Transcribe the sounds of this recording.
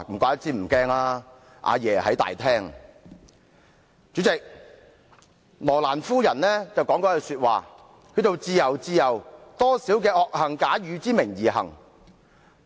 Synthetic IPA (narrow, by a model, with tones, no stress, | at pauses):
kʷaː˧˥ɐ˥t̚t͡siː˥m̩˨˩kɛː˥ŋaː˧˥ | ʔa̰ː˧jɛː˨˩hɐ˨˥jt̪a̰ː˨jt̪ʰɛː˥ŋ | t͡syː˨˥t͡sɪ˨k̚ | lɔː˨˩laː˨˩nfuː˥jɐ˨˩nlɛː˥t͡sɐ˨wkɔː˨˥ŋkɔː˨˥kɛ˧syː˧t̚waː˨ | kʰɵ˨˧ɥt̪o˨wt͡siː˧jɐ˨˩wt͡siː˧jɐ˨˩wt̪ɔː˥si˨˥wkɛː˧ʔɔː˧k̚hɐ˨˩ŋkaː˨˥jyː˨˧t͡siː˥mɪ˨˩ŋjiː˨˩ɦɐ̰˨˩ŋ